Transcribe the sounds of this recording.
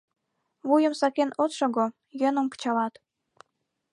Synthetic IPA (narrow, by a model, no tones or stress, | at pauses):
βujə̆msɑkenot̪ʃoɡo | jønə̆mkə̥t͡ɕɑlɑt̪